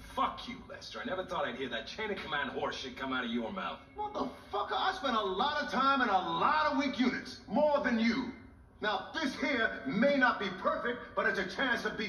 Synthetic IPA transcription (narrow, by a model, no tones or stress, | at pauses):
fʌkʰjɨ̰lɛ̰stə˞aɪnɛvə˞θɔɾaɪd̚hiɹðɨt̚t͡ʃʰẽɪ̃nɨkʰəmæ̃ndhɔɹsʃɨd̚kʰʌ̃maʊɾʌvjə˞maʊθwɛðəfʌkəaɪ̥spɛ̃ñəlɔɾʌ̥tʰãɪ̃mɨ̃ñəlɔɾʌvwikjʉnɨtsmɔɹðɨ̃njɨ | naʊðɪshiɹmeɪnət̚b̥ipʰɜ˞fɪk̚t̚b̥ʌɾɨtsɨt͡ʃʰæ̃nsʌvbi